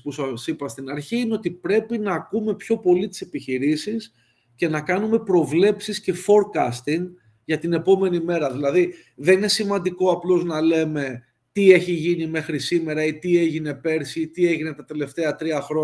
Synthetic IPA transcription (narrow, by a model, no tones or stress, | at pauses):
pusɐsipɐst̪inɐɾçiineot̪ipɾe̞pinɐːkume̞pço̞po̞lit̪i̥se̞piçiɾisis | ce̞nɐkɐnume̞pɾo̞vle̞psisce̞fo̞ɾkɐst̪iŋ | ʝɐt̪ine̞po̞me̞nime̞ɾɐðilɐði | ðe̞nine̞simɐnd̪iko̞ɐplo̞znɐle̞me̞ | t̪ie̞çiʝinime̞xɾisime̞ɾɐit̪ie̞ʝine̞pe̞ɾsit̪ie̞ʝine̞t̪ɐt̪e̞le̞ft̪e̞ɐt̪ɾiɐxɾo